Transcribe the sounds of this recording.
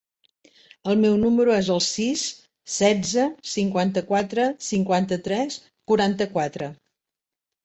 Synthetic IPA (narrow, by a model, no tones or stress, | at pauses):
əlˠmɛwnuməɾuɛzəlˠsisː | ɛd͡zəsiŋkwant̪əkwat̪ɾəsiŋkwant̪ət̪ɾɛs | kuɾant̪əkwat̪ɾə